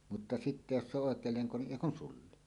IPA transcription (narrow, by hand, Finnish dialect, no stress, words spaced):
mutːɑ sitːe jos se oʔ ʔoˑekˑeːl leŋko niʔ ʔeˑi kun sulːi